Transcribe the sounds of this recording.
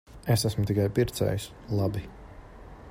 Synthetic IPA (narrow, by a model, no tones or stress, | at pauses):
esasmʊt̪ikajpiɾt̪sɛ̰js | lˠabi